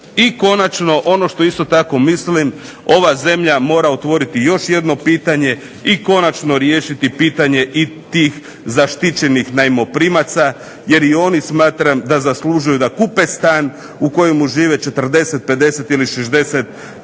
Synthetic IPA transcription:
iko̞nat͡ʃno̞ʔo̞no̞ʃt̪o̞ist̪o̞t̪ako̞mislim | o̞ʋaze̞mʎamo̞ːɾaot̪ʋo̞ɾit̪ijo̞ʃje̞d̪no̞piːt̪aɲe̞ | iko̞nat͡ʃno̞ɾjeːʃit̪ipiːt̪aɲe̞ʔit̪iːx | zaʃt̪it͡ɕe̞nixnaimo̞pɾimat̪sa | je̞ɾio̞nismaːt̪ɾamd̪azaslˠuʒujud̪akupest̪aːn | uko̞jemuʒiːʋe̞t͡ʃe̞t̪r̩d̪e̞set̪̚pe̞d̪e̞se̞t̪iliʃezd̪e̞set̪̚

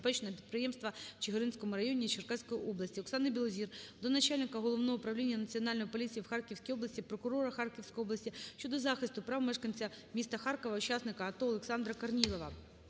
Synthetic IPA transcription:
pɛt͡ʃnɛpʲit̪̚pɾɪjɛmst̪ʋɐt͡ʃɪɦɪɾɪnsʲkɔmʊɾɐjɔnʲit͡ʃɪrkasʲkɔjiʔɔblˠɐsʲtʲiɔksɑnɪbʲilˠɔzʲird̪ɔnɐt͡ʃɑlʲnɪkɐɦɔlˠɔʋnɔɦɔʊpɾɐʋlʲinʲːɐnɐt͡sʲiɔnɑlʲnɔjipɔlʲit͡sʲijiwxɑrkʲiwsʲkʲijɔblˠɐsʲtʲipɾɔkʊɾɔɾɐxɑrkʲiwsʲkɔjɔblˠɐsʲtʲiʃt͡ʃɔd̪ɔzɑxɪst̪ʊpɾɑʋmɛʃkɐnʲt͡sʲɐmʲist̪ɐxɑrkɔʋɐʊt͡ʃɑsnɪkɐɐt̪ɔɔlˠeksɑnd̪ɾɐkɐrnʲilˠɔʋɐ

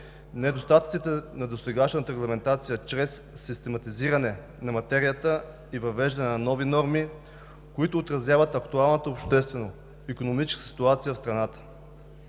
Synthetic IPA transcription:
nɛd̪ost̪at̪ət̪sit̪ɛnɐd̪ost̪ɛɡaʃnət̪əɾɛɡlˠɐmɛnt̪at̪sijət͡ʃɾɛsːist̪ɛmɐt̪iziɾɐnɛ | nɐmɐt̪ɛɾijət̪ə | ivɐvɛʒd̪ɐnɛnɐnɔvinɔɾmi | koit̪ʊːt̪ɾɐzjavət̪ɐkt̪ualˠnət̪əopʃt̪ɛst̪vɛno | ikonomit͡ʃskssi̥t̪uat̪sijəfst̪ɾɐnat̪ə̥

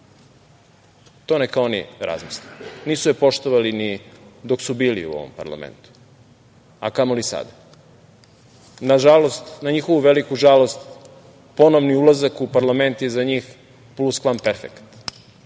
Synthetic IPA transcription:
t̪o̞nekaonḭɾa̰zmisliniːsujepo̞ʃt̪oʋalinid̪o̞ksubiːlḭṵo̞̰ʋo̰mpa̰ɾlˠa̰mḛnt̪u̥ | a̰kamolisa̰d̪a | naʒalo̞st̪naɲixo̞ʋuʋelikuʒalo̞st̪ | po̞noʋniulˠazakupaɾlˠame̞nt̪jezaɲiːx | pluskʋampeɾfḛkt̪

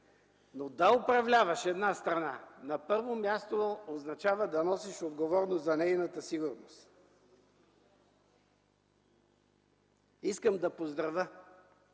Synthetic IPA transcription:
nod̪aʊpɾɐvlʲavɐʃɛd̪nast̪ɾɐnanɐpɤɾvomʲjast̪ooznɐt͡ʃavəd̪ɐnɔsiʃod̪ɡovɔɾnozzɐnɛjnət̪əsiɡʊɾnost̪ | iskəmd̪ɐpozd̪ɾɐvə

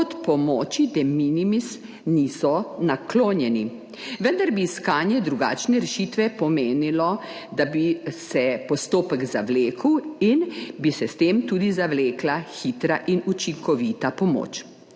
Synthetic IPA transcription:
ɔt̪pɔmɔːt͡ʃid̪ɛminimis | nisɔnakloːnjɛni | ʋənd̪aɾbiːskaːnjɛd̪ɾuɡa̰ːt͡ʃnɛɾɛʃiːt̪ʋɛpɔmeːnilɔ | d̪abisɛpɔst̪oːpəɡzaʋleːkəwinbisɛst̪eːmt̪uːd̪izaʋleːklaxit̪ɾaʔinut͡ʃiŋkɔʋit̪apɔmo̰ːt͡ʃ

